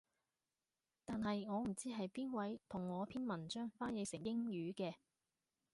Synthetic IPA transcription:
t̪aː˨nhɐ˨jŋɔː˨˧m̩˨˩t͡siː˥ɦɐ˨jpiː˥nwɐ˨˥jt̪ʰʊ˨˩ŋːɔː˨˧pʰiː˥nmɐ˨˩nt͡ʃœː˥ŋfaː˥njɪ˨˧jsɪ˨˩ŋjɪ˥ŋjyː˨˧˥kɛː˧

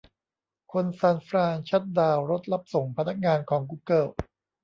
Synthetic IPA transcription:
kʰo˧nsaː˧nfɾaː˧ŋt͡ɕʰa˦˥t̪̚daː˧wɾo˦˥t̪̚la˦˥p̚so˨˩˦ŋpʰa˧na˦˥k̚ŋaː˧nkʰɔː˩˦ŋk̬uː˧kɤː˥˩w

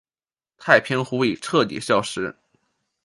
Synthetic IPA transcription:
t̪ʰa˥˩ɪpʰji˥nxu˥i˨˩ʈ͡ʂʰɤ˥˩t̪ḭ˨˩ɕjɑ˥˧ʊʂɻ̩˧˥

